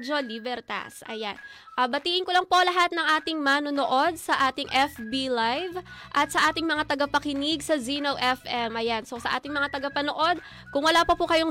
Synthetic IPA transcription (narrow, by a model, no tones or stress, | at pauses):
d͡ʒo̞libɛɾt̪a̰sʔɐ̰jan | ʔɐbɐt̪iːʔɪnkolɐŋpo̞lɐɦat̪̚nɐŋʔaːt̪ɪŋmanonoʔo̞d̪̚sɐʔaːt̪ɪŋʔɛfbilajvʔɐt̪̚sɐʔaːt̪ɪŋmɐŋat̪ɐɡɐpɐkɪnɪɡsɐzinowʔɛfʔɛmʔɐjanso̞sɐʔaːt̪ɪŋmɐŋat̪ɐɡapɐnoʔo̞d̪̚ | kʊŋwɐlaːpɐpʊkɐjoŋ